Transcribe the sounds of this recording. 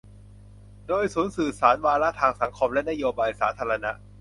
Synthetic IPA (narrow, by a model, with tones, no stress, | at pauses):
doː˧jsuː˩˦nsɯː˨˩saː˩˦nwaː˧ɾa˦˥ʔt̪ʰaː˧ŋsa˩˦ŋkʰo˧mlɛ˦˥ʔna˦˥joː˧baː˧jsaː˩˦t̪ʰaː˧ɾa˧na˦˥ʔ